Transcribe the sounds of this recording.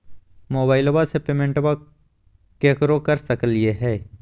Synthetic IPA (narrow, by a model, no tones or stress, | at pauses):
moːbaːɪlwasepeːmẽɳʈwa | kekɾokɐɾsəklieɦɛː